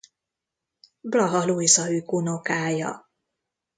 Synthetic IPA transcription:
blɒɦɒluizɒykunokaːjɒ̰

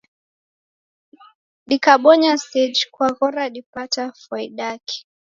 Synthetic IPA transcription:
ɗikaɓɔɲasɛd͡ʒkwaɣɔɾaɗipatafaiɗakʰi̥

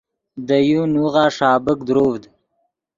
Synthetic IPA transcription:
d̪əjunuɣaːʂɑːbəkd̪ɾoːvd̪

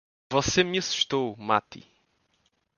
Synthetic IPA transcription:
vɔsemɐsu̥ʃt̪oma̰t̪ḭ

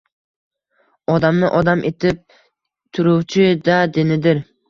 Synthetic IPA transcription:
ɒd̪amnɪʔɒd̪amʔet̪ʰɪp̚ | t̪ʰʊɾuwt͡ʃʰɪd̪ad̪ɪnɪd̪ɪɾ

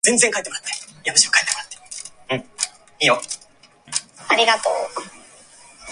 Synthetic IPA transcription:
zẽnd͡zẽŋkait̪emoat̪ːajamaɕimokai̥t̪emoat̪ːe̥ɯ̟̃ɴʲ | ijo | aɾʲiɡat̪o̰ː

